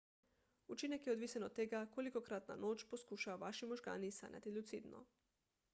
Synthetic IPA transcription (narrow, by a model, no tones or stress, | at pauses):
ut͡ʃinɛkjeod̪ʋiːsɛnot̪ːeɡakolikokɾat̪na̰noːt͡ʃposkuʃaoʋaʃimoʒɡa̰ːnisa̰nɲʲja̰t̪ilʲut̪sid̪no̰